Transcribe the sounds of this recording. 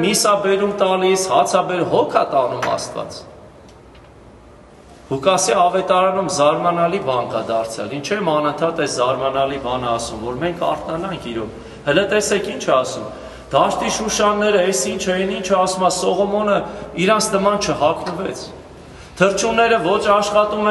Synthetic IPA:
misɑbɛɾumt̪ɑlishɑt͡sʰɑbɛɾɦɔkʰɑ̰t̪ɑnumɑ̰st̪vɑ̰t͡s | hukɑsiɑvɛt̪ɑɾɑnumzɑɾmɑnɑlibɑŋkɑd̪ɑɾt͡sʰjɑ̰lint͡ʃʰɛmɑnənt̪ʰɑt̪ɛszɑɾmɑnɑlibɑnəɑsumvɔɾmɛŋkʰɑ̰ɾt̪nɑnɑŋkʰiɾɔv | hələt̪ɛsɛkʰint͡ʃʰɛɑsum | d̪̥ɑʃt̪iʃuʃɑnːɛɾəɛsint͡ʃʰɛinint͡ʃʰɛɑsumɑsɔʁɔmɔnəiɾɑnt͡sʰnəmɑnt͡ʃʰəɦɑkʰnəvɛt͡sʰ | t̪ʰəɾt͡ʃʰunɛɾəvɔt͡ʃʰɑʃχɑt̪umɛ

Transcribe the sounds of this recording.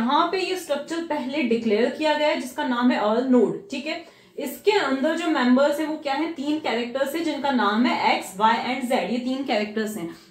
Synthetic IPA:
ɐɦãpejesʈɾɐk̚t͡ʃəɾpɛɦleɖɪkleːəɾkijaɡɐjad͡ʒɪskanaːmɦɛʔɐːlnoːɖʈʰiːkɦɛː | ɪskeɐ̃nd̪əɾd͡ʒoːmɛ̃mbəɾzɦɛ̃ʋokjaːɦɛ̃t̪iːnkɛːɾɛk̚ʈəɾzɦɛ̃d͡ʒɪnkanaːmɦɛʔɛːksʋaːɪʔɛ̃ːɳɖzɛːɖjet̪iːnkɛːɾɛk̚ʈəɾzɦɛ̃

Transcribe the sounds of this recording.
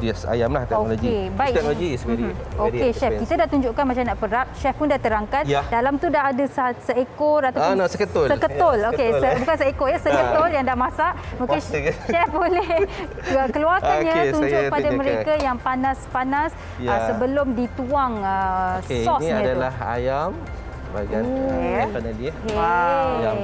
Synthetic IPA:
diasa̰jamlaht̪ɛonolokɡiebaiɛnoɡisokeʃɛkit̪adaht̪uɲd͡ʒʊʔkanmat͡ʃamnaʔpəɾap̚ʃɛfpʊndat̪əɾaŋkandalamt̪udaɦadassəekɔɾat̪awnosəkət̪ʊlsəkət̪olokesəbukansəekɔjasəkət̪oljaŋdahmasaʔoeaabolɛ | əkəluarkanɲat̪uɲd͡ʒʊʔkkəəpadaməɾekkajaŋpanãspanas | jasəbəlʊmdit̪uaŋəsɔnsiɲaãtdalaha̰jam | əba̰a | anadike

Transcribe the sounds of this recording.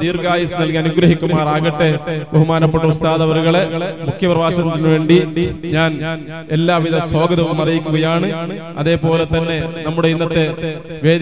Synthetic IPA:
t̪iːrɡaːjɐsɨnɐlkiɐnuɡɾɐɦikʲːumːaːraːɣɐʈːe̞beɦumaːnɐpːeʈːumst̪ʰaːðɐʋɐruɣɐɭe̞mukʰːjɐprɐʋaːɕɐnt̪ːinːɨʋe̞ːɳɖiɲaːn | elːaːʋiðɐso̞ːɡɐðɐʋumɐrijikʲːuɣɐjaːɳɨ | ɐ̰ðe̞ːpo̞ːle̞t̪ɐnːe̞nɐmːuɽe̞inːɐt̪ːe̞ | ʋe̞ː

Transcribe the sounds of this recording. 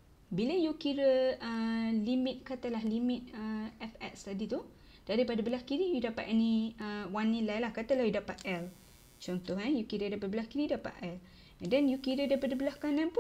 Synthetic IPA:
biləjukiɾəəlimɪt̪̚kat̪alahlimit̪̚əɛfɛkst̪adit̪u | d̥aɾipadabəlahkiɾijudapaʔ̪ɛniəwanːilajlahkat̪əlahjudapat̪̚ɛl | t͡ʃɔnt̪ɔhajukiɾədapat̪̚bəlahkiɾidapa̰ʔ̪ɛl | danjukiɾədaipadabəlahkanãnpun

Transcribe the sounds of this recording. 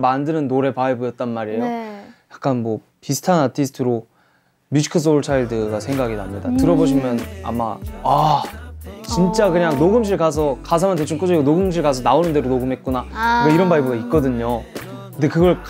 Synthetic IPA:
mandɯnɯnːoɾe̞paibujʌt̚t͈anmaɾejojak̚k͈anmwʌ | pisʰɯ̥tʰanatʰisʰɯ̥tʰɯɾo | mjud͡ʑʰi̥kʰɯs̬͈ouɭt͡ɕʰaiɭdɯɡasʰe̞ŋɡaɡinamɲida̰tɯɾʌboɕʰimjʌna̰ma̰a | t͡ɕint͡ɕ͈akɯɲaŋnoɡɯmɕ̬ʰiɭkas̬ʰʌkas̬ʰamant̬et͡ɕʰumk͈ɯd͡ʑʌɡiɡonoɡɯmɕ̬ʰiɭkas̬ʰʌnaonɯnde̞ɾonoɡɯmɦet̚k͈unakɯɡʌiɾʌnbaibɯɡait̚k͈ʌdɯɲo | kɯnde̞kɯɡʌɭk

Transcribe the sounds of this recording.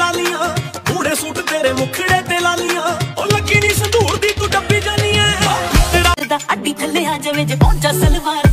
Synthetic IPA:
aːlɪjãːbʱuːɽeːsuːʈt̪eːɾeːmʊkʰɪɽeːt̪eːlaːlɪjãːoləkiːniːsəd̪uːɾd̪iːkʊʈəbiːd͡ʒaːniːãːeːɽaːɪd̪aːkaɖiːkʰəlːeːɦãːd͡ʒəʋeːd͡ʒkɔ̃ːt͡ʃələlbaːɾ

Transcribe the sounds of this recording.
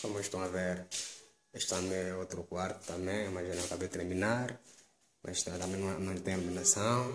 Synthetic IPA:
kõmɪʃt̪ɐ̃w̃aveɾ | eʃt̪ãmeot̪ɾʊkwaɾt̪ʊ̥t̪ɐ̃mẽj̃maʒenɐ̃w̃kabejt̪eɾmĩnaɾ | mʔazt̪ɐ̃t̪ɐ̃mẽj̃nɐ̃nɐ̃w̃t̪ẽjaliminasɐ̃w̃

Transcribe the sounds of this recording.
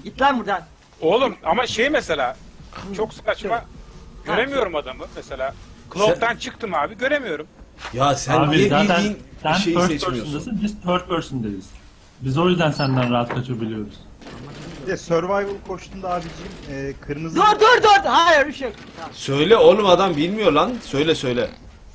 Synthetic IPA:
ɟit̪lʲæɾbuɾd̪an | olˠumamaʃejmese̞lʲaːt͡ʃʰo̞ksɯ̥kat͡ʃmaɟøɾe̞mijo̞ɾumad̪amɯmese̞lʲaːkʰlˠot̪ʰant͡ʃʰɯk̚t̪ʰɯmaːbiɟø̞ɾemijo̞ɾumjasæaːbizaːæninsænʰøɾøɾsund̪asɯnbizt̪ʰøɾt̪̚bøɾsynd̪ejiz̥ | bizo̞jyzd̪ænsænd̪ænɾaɦat̪kʰat͡ʃʰabilʲijo̞ɾuz̥ | ɛsøɾvajbɯlˠkʰo̞ʃt̪ʰund̪aːbid͡ʒimɛːkʰɯɾmɯzɾd̪øɾd̪øɾd̪hajiɾbiʃe | sø̞jlʲɛolˠumad̪ambilʲmijo̞ɾlˠanʃø̞jlʲɛsø̞jlʲɛ

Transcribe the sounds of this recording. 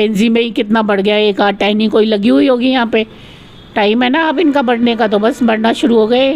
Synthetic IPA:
ẽːnzimẽĩkɪt̪nabɐɽ̤ɡɐjaeːkaːʈaːɦnɪ̃ŋkoːilɐɡiɦʊiɦoːɡijɐɦãːpe | ʈaːɪmɦɛnaaːpɪnkabɐɽ̤nekat̪̬obɐsbɐɽnaʃʊɾuɦoːɡɐe

